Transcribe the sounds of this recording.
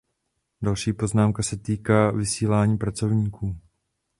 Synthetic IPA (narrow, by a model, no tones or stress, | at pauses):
dalʃiːpo̞znaːmkasɛt̪iːkaːvɪsiːlaːɲiːpɾat͡so̞vɲiːkʰuː